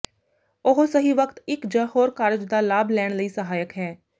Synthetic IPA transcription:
oɦosəɦiːʋəkt̪ɪkd͡ʒaːɦoːɾkaːɾd͡ʒd̪aːlaːblɛːɳ̃ləiːsəɦaːjəkɦɛː

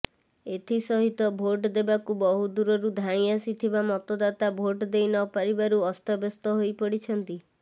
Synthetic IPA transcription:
et̪ʰisɔɦit̪ɔbʱoʈd̪ebakubɔɦud̪uɾɔɾud̪ʱaɽ̃iasit̪ʰibamɔt̪ɔd̪at̪abʱoʈd̪ejnɔpaɾibaɾuɔst̪ɔbɔst̪ɔɦojpɔɽit͡ʃʰɔnt̪i

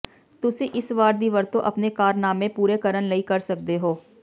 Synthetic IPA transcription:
t̪ʊsĩːʔɪsʋaːɾd̪iːʋəɾt̪õ̰ːʔəpneːkaːɾnaːmẽːpuːɾeːkəɾənləiːkəɾsək̚d̪eːɦoː

